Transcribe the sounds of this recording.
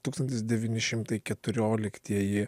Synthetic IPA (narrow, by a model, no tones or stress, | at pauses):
t̪uːkst̪ɐnʲt̪ʲɪsd̪ʲɛʋʲiːnʲɪʃʲɪmt̪ɐɪkʲɛt̪ʊɾʲoːlʲɪkt̪ʲiɛjɪ